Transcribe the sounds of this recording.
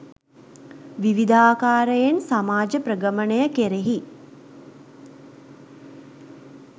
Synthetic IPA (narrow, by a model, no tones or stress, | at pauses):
ʋiʋid̪aːkaːɾəjensamaːd͡ʒəpɾəɡəmənəjəkeɾeɦi